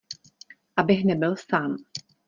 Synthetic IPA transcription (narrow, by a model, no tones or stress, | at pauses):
ʔabɪxnɛbɪlsaːm